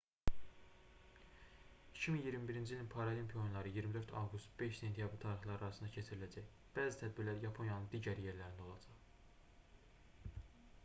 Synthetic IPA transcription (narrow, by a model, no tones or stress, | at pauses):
i̥cʰiminjiɾmibiɾind͡ʒilʲinpʰɑɾolimpʰio̞nlˠɑɾɯjiɾmid̪ø̞ɾt̪ʰɑ̰vɡust̪b̥e̞ʃse̞nt̪ʰijɑbɾit̪ʰɑːɾiχlˠɑɾɑɾɑsɯnd̪ɑcʰe̞t͡ʃʰiɾilæd͡ʒæç | b̥æːzit̪ʰæd̪̚biɾlæɾjɑpʰo̞njɑnɯnd̪iːɟæɾje̞ɾlæɾind̪æo̞lˠɑd͡ʒɑχ